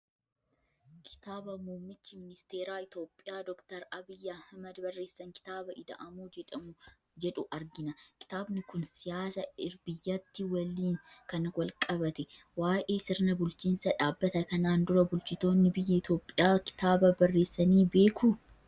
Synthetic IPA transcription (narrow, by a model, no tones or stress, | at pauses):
kʰɪ̥t̪aːbɐmuːmːɪt͡ʃːɪmɪnɪst̪eːɾaːɪt̪o̞ːpʼːɪjaːd̪ɔkt̪ɐɾɐbɪjːɐhɐmɐd̪bɐrːe̞ːsːɐŋkɪ̥t̪aːbɐʔɪd̪ɐ̰ʔɐmuɛɐ | d͡ʒɛᶑʊʔɐɾɡɪnɐkɪ̥t̪aːbnɪkʊnsɪjaːsɐɪɾbɪjːɐt̪ːɪwɐlːiːnkɐnwɐlkʼɐbɐt̪ɛ | waːjʔeːsɪɾnɐbʊlt͡ʃiːnsɐᶑaːbːɐt̪ɐkɐnaːnd̪ʊɾɐbʊlt͡ʃɪt̪o̞ːnːɪbɪjːɐɪt̪o̞ːpʼːɪjaːkɪ̥t̪aːbɐbɐrːe̞ːsːɐniːbe̞ːkʰʊ